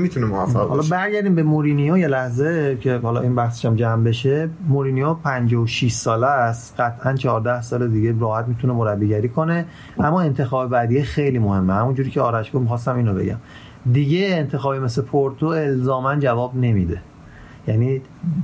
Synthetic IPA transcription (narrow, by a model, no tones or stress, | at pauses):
mit̪ʰunemoæffːæ̰hɒːlɒbæɾɟæɾd̪iːmbe̞moɾinijojelæhzecʰe̞hɒːlɒʔinbæhse̥ʃæmd͡ʒæmbe̞ʃemoɾiːnijopʰænd͡ʒɒːoʃiʃsɒːlæst̪ɢæt̪ʰʔænt͡ʃʰɒhɒːɾd̪æhsɒːled̪iɟeɾɒːhæt̪̚miːt̪ʰunemoɾæbːiːɟæɾiːkʰo̞ne̞ | æmːɒːent̪ʰe̞xɒːbebæd̪ijexejliːmohe̞mːehæmund͡ʒuːɾiːcʰeɒːɾæʃɡomixɒːst̪æmiːnɾobe̞̰ɟæ̰m | d̪iɟeːnt̪ʰe̞xɒːbimeslepʰoɾt̪ʰoe̞lzɒːmænd͡ʒævɒːbne̞mid̪e̞ | jæniː